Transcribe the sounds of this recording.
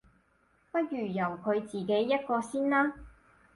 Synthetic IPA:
pɐ˥t̚jyː˨˩jɐ˨˩wkʰɵ˨˧ɥt͡siː˨˩ke˨˥jːɐ˥t̚kɔː˧siː˥nlaː˥

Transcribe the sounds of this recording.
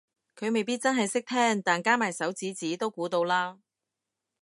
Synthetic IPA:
kʰɵ˨˧ɥme˨jpiː˥t̚t͡sɐ˥nɦɐ˨jsɪ˥k̚t̪ʰɛː˥ŋt̪aː˨˩nkaː˥maː˨˩jsɐ˨˥wt͡siː˨˥t͡siː˨˥t̪o˥wkuː˨˧˥t̪o˧wlaː˥

